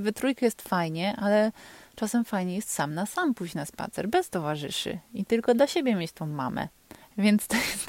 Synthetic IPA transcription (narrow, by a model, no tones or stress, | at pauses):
vɘt̪ɾujkajɛst̪fajɲɛʔalɛt͡ʂasɛmfajɲɛjɛst̪samnasampuʑnaspa̰t̪sɛ̰ɾbɛst̪ɔvaʐɘ̰ʂɨ̰it̪ɘlkɔd̪laɕebʲjɛmʲjet͡ɕt̪ɔ̃w̃ma̰mɛ̰ | vʲjɛnt̪st̪ɛ